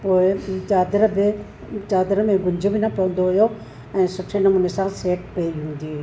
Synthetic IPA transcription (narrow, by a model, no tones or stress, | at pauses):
poːɪt͡ʃaːd̪ɾəbɪ | t͡ʃaːd̪ɾəmẽɡʊɲd͡ʑʱʊbɪnɐpɐə̃n̆d̪oɦʊjo | ɛ̃ːsʊʈʰenɐmuːnesãseːʈpeiɦũːn̆d̪i